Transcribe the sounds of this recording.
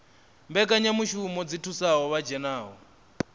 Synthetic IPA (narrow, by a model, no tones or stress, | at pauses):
mbɛkʼaɲamuʃumɔd͡zitʰusaɦɔβad͡ʒɛnaːɦɔ